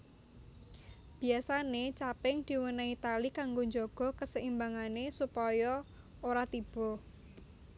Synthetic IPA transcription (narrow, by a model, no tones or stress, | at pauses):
b̥i̤asanet͡ʃapɪŋd̪̥i̤wənait̪alikaŋɡoɲd͡ʒɔɡ̥ɔ̤kəsəimbaŋanesupɔjɔ | oɾat̪ib̥ɔ̤